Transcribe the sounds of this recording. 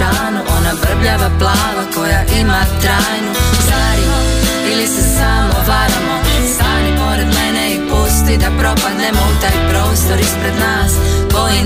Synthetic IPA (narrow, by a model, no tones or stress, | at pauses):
aːnuʔonabr̩bʎaʋaplˠaːlako̞jaʔimat̪ɾaːjnusaːɾimo | ilisesaːmoʋaːɾamosaːlipoɾɛd̪mɛnɛipost̪id̪apɾo̞pad̪nemout̪aːjpɾo̞ːst̪o̞ɾispɾed̪naːsko̞ji